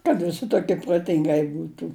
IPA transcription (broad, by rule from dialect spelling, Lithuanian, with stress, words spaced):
kɐt ʋʲɪˈsʲɪ toːˈkʲiɛ proːˈtʲɪŋɡɐɪ ˈbuːtuː